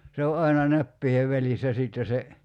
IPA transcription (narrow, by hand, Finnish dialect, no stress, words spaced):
se o ɑinɑ næpːiːheʋ ʋælisːæ sitːe se